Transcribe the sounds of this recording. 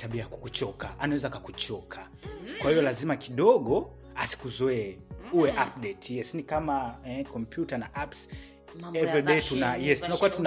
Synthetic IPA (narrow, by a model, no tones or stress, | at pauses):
taɓiajaku̥kut͡ʃɔkaʔanawɛzakakut͡ʃɔkʰa | kwahijɔlazimakiɗɔɠɔ | asi̥kuzɔɛuwɛʔap̚dɛtjɛsnikamaɛkɔmpjutana̰ʔaps | ɛvɾiɗɛitunajɛstunakuwatun